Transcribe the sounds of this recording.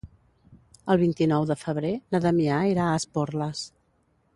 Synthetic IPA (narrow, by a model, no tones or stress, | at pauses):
əlˠβ̞int̪inɔwðəfəβ̞ɾenəðəmiaiɾaəsporləs